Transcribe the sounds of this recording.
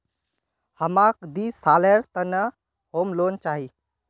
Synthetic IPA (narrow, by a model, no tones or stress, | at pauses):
həmakd̪isaleɾt̪ənə | hoːmloːnt͡ʃaːɦi